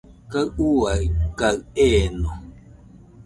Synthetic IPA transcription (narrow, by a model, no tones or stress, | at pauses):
kaɰuakaɰeno